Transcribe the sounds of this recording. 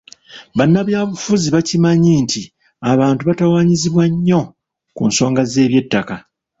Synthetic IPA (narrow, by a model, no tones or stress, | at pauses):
βanːaβjaːβufuziβacimaɲiːnti | aβaːntuβatawaːɲiziβwaɲːo̞ | kṵnso̞ːŋɡaze̞ːβje̞tːaka